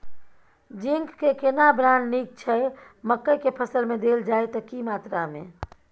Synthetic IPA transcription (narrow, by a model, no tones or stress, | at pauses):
d͡ʒiŋɡkekenabɾannik̚t͡ʃʰɛ | məkːəjkepʰəsəlmed̪eld͡ʒaet̪ɔkimaːt̪ɾamḛ̃